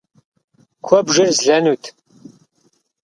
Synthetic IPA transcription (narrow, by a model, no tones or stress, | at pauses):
kʷʰɔbʒɨrzɮɐnuːtʰ